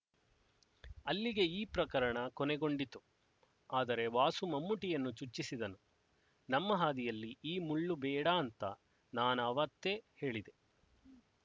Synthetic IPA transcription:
ɐlːiɡe̞iːpɾɐkɐɾɐɳɐkoneɡo̞ɳɖit̪ːu | aːd̪ɐɾe̞ʋaːsumɐmːuʈijɐnːut͡ʃut͡ʃːisid̪ɐnu | nɐmːɐɦaːd̪ijɐlːiiːmuɭːubɛːɽaːnt̪ɐ | naːnɐʋɐt̪ːe̞he̞ːɭid̪e̞

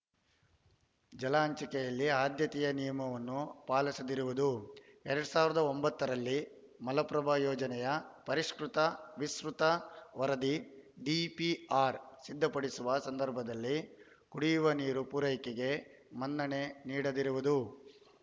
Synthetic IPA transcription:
d͡ʒɐlaːɐɲt͡ʃɐkɛjɐlːiaːd̪jɐt̪ijɐnijɐmɐʋɐnːupaːlɐsɐd̪iɾuʋud̪uɛɾɐɽusaːʋiɾɐd̪ɐombɐt̪ːɐɾɐlːi | mɐlɐpɾɐbʱajɔːd͡ʒɐnɛjɐpɐɾiʂkɾut̪ɐʋisɾut̪ɐʋɐɾɐd̪iɖipiaːɾsid̪ʱːɐpɐɽisuʋɐsɐnd̪ɐɾbʱɐd̪ɐlːi | kuɽijuʋɐniːɾupuːɾɐjkeɡe̞ | mɐnd̪ɐɳe̞niːɽɐd̪iɾuʋud̪u

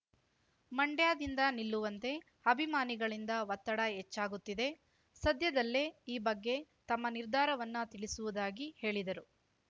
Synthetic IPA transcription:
mɐɳɖjaːd̪ind̪ɐnilːuʋɐnt̪e̞ | ɐbʱimaːniɡɐɭind̪ɐʋɐt̪ːɐɽɐɦet͡ʃːaːɡut̪ːid̪e̞ | sɐd̪jɐd̪ɐlːeiːbɐɡːe̞t̪ɐmːɐniɾd̪ʱaːɾɐʋɐnːut̪iɭisuʋud̪aːɡihe̞ːɭid̪ɐɾu

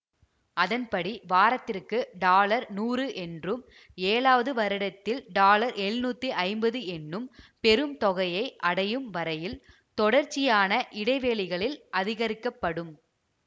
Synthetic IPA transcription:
ʔɐðɐnpɐɽiʋaːɾɐt̪ːɪrkɯɖaːlɐɾnuːɾɯʔɛndrɯm | eːɭaːʋɐðɯʋɐɾɪɽɐt̪ːɪlɖaːlɐɾɛɻnuːt̪ːiʔɐɪmbɐðɯɛnːɯmpɛɾɯmt̪ɔɣɐjɐɪʔɐɽɐjɯmʋɐɾɐjɪl | t̪ɔɽɐɾt͡ʃːɪjaːnɐʔɪɽɐɪʋeːɭɪɣɐɭɪlʔɐðɪɣɐɾɪkːɐpːɐɽɯm

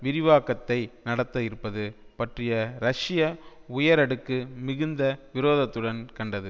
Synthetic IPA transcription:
ʋɪɾɪʋaːkɐt̪ːɐɪnɐɽɐt̪ːɐɪɾɯpːɐðɯpɐʈrɪjɐɾɐʂɪjɐ | ʊjɐɾɐɽɯkːɯmɪɣɯnd̪ɐʋɪɾoːðɐt̪ːɯɽɐnkɐɳɖɐðɯ

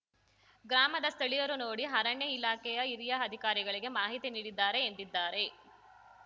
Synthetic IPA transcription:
ɡɾaːmɐd̪ɐst̪ʰɐɭijɐɾuno̞ːɽiɦɐɾɐɳjɐilaːkɛjɐiɾijɐɐd̪ʱikaːɾiɡɐɭiɡemaːɦit̪iniːɽid̪ːaːɾe̞ːnd̪id̪ːaːɾe̞

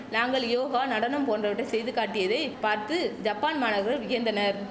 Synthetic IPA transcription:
naːŋɡɐɭjoːɣaːnɐɽɐnɯmpoːndrɐʋɪʈːɐɪsɛjðɯkːaːʈːɪjɐðɐɪpaːɾt̪ɯd͡ʒɐpːaːnmaːnɐɾɣɐɭʋɪjɐnd̪ɐnɐɾ

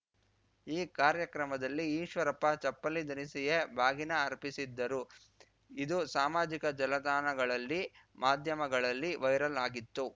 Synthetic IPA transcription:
iːkaːɾjɐkɾɐmɐd̪ɐlːiiːʃʋɐɾɐpːɐt͡ʃɐpːɐlid̪ɐnisijebʱaːɡinɐːɾpisid̪ːɐɾu | id̪usaːmaːd͡ʒikɐd͡ʒɐlɐd̪aːnɐɡɐɭɐlːi | maːd̪ʱjɐmɐɡɐɭɐlːiʋɐjɾɐlaːɡit̪ːu

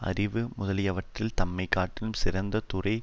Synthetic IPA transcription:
ɐ̰rɪʋɯmʊðɐlɪjɐʋɐʈrɪlt̪ɐmːɐɪkːaːʈːɪlɯmsɪɾɐnd̪ɐt̪ʊrɐɪ

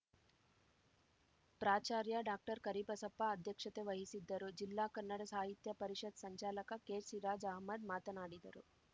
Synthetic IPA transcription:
pɾaːt͡ʃaːɾjɐɖaːk̚ʈɐɾkɐɾipɐsɐpːɐɐd̪ʱjɐkʂɐt̪eʋɐɦisid̪ːɐɾud͡ʒilːaːkɐnːɐɽɐsaːɦit̪jɐpɐɾiʂɐd̪sɐɲt͡ʃaːlɐkɐkeːsiɾaːd͡ʒɐɦmɐd̪maːt̪ɐnaːɽid̪ɐ̰ɾṵ

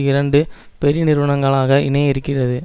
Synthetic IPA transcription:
ɪɾɐɳɖɯ | pɛɾɪnɪɾɯʋɐɳɐŋɡɐɭaːɣɐʔɪnɐɪɾɯkːɪrɐðɯ

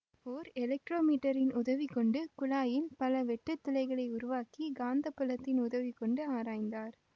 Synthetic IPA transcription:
oːɾɛlɛk̚ʈɾoːmiːʈːɐɾɪnʔʊðɐʋikɔɳɖɯkʊlaːjɪlpɐlɐʋɛʈːɯt̪ːʊlɐɪɣɐɭɐɪʊɾʊʋaːkiɡaːnd̪ɐpːɐlɐt̪ːɪnʊðɐʋikɔɳɖɯaːɾaːjnd̪aːɾ

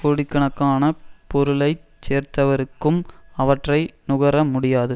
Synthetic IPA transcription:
koːɽɪkːɐɳɐkːaːnɐpɔɾɯlɐɪt͡ʃeːɾt̪ɐʋɐɾɯkːɯmɐʋɐʈrɐɪnʊɣɐɾɐmʊɽɪjaːðɯ

